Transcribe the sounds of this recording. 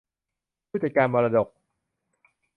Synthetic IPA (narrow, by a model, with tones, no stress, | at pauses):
u˥˩t͡ɕʰa˨˩kaː˧nmɔː˧ɾaː˧do˨˩k̚